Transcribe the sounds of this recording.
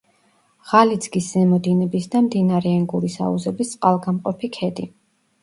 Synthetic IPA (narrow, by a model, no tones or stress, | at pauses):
ʁalid̪zɡiszɛmɔd̪inɛbisd̪amd̪inaɾɛɛŋɡuɾisa̰ṵzɛbist̪sʼqʼalˠɡamqʼɔpʰikʰɛd̪i